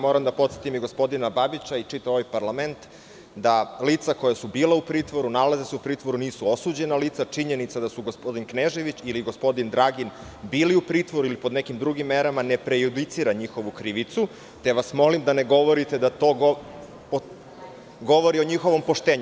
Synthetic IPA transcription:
mo̞ːɾamd̪apot̪set̪imiɡo̞spo̞d̪inababit͡ɕaiʈ͡ʂit̪ao̞ʋajpaɾlament̪ | d̪aliːt̪sakojasubiːleupɾiːt̪ʋo̞ɾunalazeseupɾiːt̪ʋo̞ɾuniːsuo̞suːd͡ʑe̞nalit̪sat͡ʂiɲe̞nit̪sad̪asuɡospo̞d̪inkneʒeʋit͡ɕiliɡo̞spo̞d̪ind̪ɾaɡin | biːliupɾiːt̪ʋo̞ɾuilipo̞d̪nekimd̪ɾuɡimːeɾamane̞pɾejud̪it̪siɾaɲixo̞ʋukɾiʋit̪su | t̪e̞ʋasmo̞limd̪aneɡo̞ʋo̞ɾit̪e̞d̪at̪o̞ | ɡo̞ʋoɾio̞ɲixo̞ʋo̞mpo̞ʃt̪eːɲu

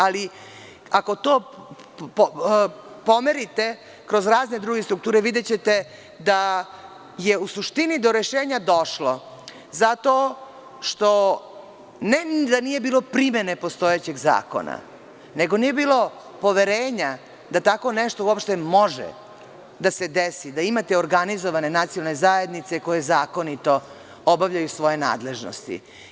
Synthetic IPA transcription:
ali | ako̞t̪oː | po̞meɾit̪e | kɾo̞zɾaːzned̪ɾuːɡest̪ɾukt̪uːɾeʋid̪et͡ɕet̪e | d̪a | jeusuʃt̪inid̪oɾeʃeːɲad̪o̞ʃlo̞ | zat̪o | ʃt̪o̞ | ned̪anije̞biːlˠopɾime̞ne̞po̞st̪o̞jet͡ɕe̞ɡza̰ːko̞̰na̰ | neɡo̞nije̞biːlo̞ | po̞ʋe̞ɾeːɲa | d̪at̪ako̞nɛʃt̪ouopʃt̪e̞moʒḛ | d̪ase̞d̪esid̪aimat̪eoɾɡanizoʋane̞nat̪sijolne̞zaje̞d̪nit̪seko̞je̞zaːko̞nit̪o̞ | obaʋʎajusʋo̞je̞na̰ːd̪le̞ʒno̰st̪ḭ

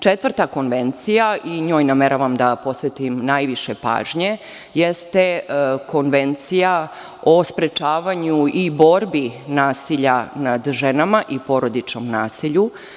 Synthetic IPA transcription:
t͡ʃet̪ʋr̩t̪ako̞nʋent̪sijaʔiɲo̞ːjnameɾaʋamd̪apo̞sʋet̪imnajʋiʃepa̰ːʒɲe̞ | jest̪ekʰo̞nʋe̞nt̪sija | ospɾet͡ʃaːʋaɲuibo̞ɾbinaːsiʎanad̪ʒenamaʔipo̞ɾo̞d̪it͡ʃnomnaːsiʎu

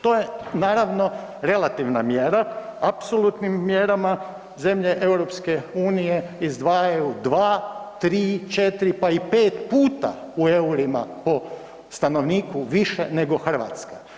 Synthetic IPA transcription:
t̪o̞ːje̞naːɾaʋno̞ | ɾe̞lat̪iʋnamjeɾaapsolˠut̪nimːjeɾama | ze̞mʎe̞ʔe̞wɾo̞pske̞uːnije̞izd̪ʋaːjajud̪ʋaːt̪ɾiːt͡ʃe̞t̪iɾipaipeːt̪puːt̪a̰ue̞uɾima̰po̞ | st̪ano̞ʋniːkuʋiʃḛne̞ɡo̞xr̩ʋa̰ːt̪ska

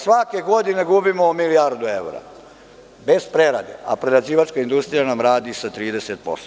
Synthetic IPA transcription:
sʋake̞ɡo̞d̪ine̞ɡubimomiliaɾd̪ue̞wɾa̰ | be̞z̥pɾeɾa̰d̪ḛa̰pɾelaziːʋat͡ʃkaind̪ust̪ɾijanamɾaːd̪isat̪ɾiːd̪e̞set̪̚po̞̰st̪o

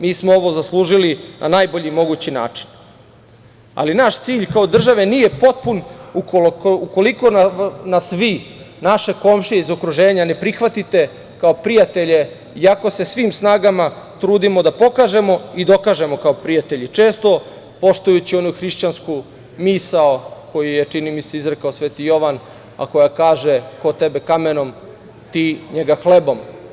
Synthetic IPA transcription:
miːsmoo̞ʋo̞zaslˠuːʒilinʔa̰naːjbo̞ʎimo̞ɡuːt͡ɕina̰ːt͡ʂi̥n | a̰linaʃt̪siːʎkao̞d̪r̩ʒaʋe̞niːje̞po̞t̪̚punuuko̞liko̞nanasʋinaʃe̞ko̞mʃiizokɾuʒe̞ːɲane̞pɾixʋat̪it̪e̞ | kao̞pɾijat̪e̞ʎe̞ | iako̞se̞sʋiːmsnaːɡama | t̪ɾuːd̪imo̞d̪apo̞kaʒe̞mo̞id̪o̞kaːʒe̞mo̞kaopɾijat̪e̞ʎit͡ʃe̞ːst̪o̞ | po̞ʃt̪ujut͡ɕio̞nuxɾiʃt͡ɕansku | misaoko̞jijet͡ʂinimiseizɾekaosʋe̞ːt̪ijo̞ʋan | a̰ko̞jakaːʒeko̞t̪ebe̞kame̞no̞m | t̪iːɲeɡaxlebo̞m

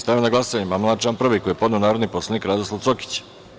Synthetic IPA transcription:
st̪aʋenaɡlˠasoaɲemamlˠat͡ʃampr̩ʋikojepo̞d̪neonaːɾod̪niposlˠanikɾad̪oslosoki̥t͡ɕ

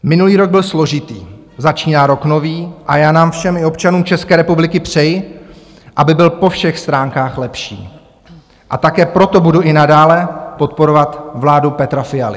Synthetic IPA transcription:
mɪnuliːɾo̞ɡ̚bɪlslo̞ʒɪt̪ḭː | zat͡ʃiːnaːɾo̞kno̞viːʔajaːnaːmfʃɛmɪo̞pt͡ʃanuːmt͡ʃɛskɛːɾɛpublɪkɪpr̝̥ɛj | ʔabɪbɪlpo̞fʃɛxst̪ɾaːŋkaːxlɛpʃḭː | ʔat̪akɛːpɾo̞t̪o̞buduʔɪnadaːlɛpo̞t̪̚po̞ɾovat̪vlaːdupɛt̪ɾafɪjalɪ

